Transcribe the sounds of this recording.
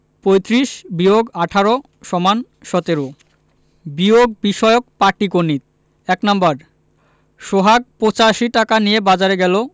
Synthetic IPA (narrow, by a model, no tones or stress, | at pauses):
pojt̪ɾiʃbioɡaʈʰaɾo | ʃɔman | ʃɔt̪eɾo | bioɡ̚biʃɔeok̚paʈikonːit̪ | ɛknambaɾ | ʃoɦaɡ̚pot͡ɕaʃiʈakanijebad͡ʑaɾeɡɛlo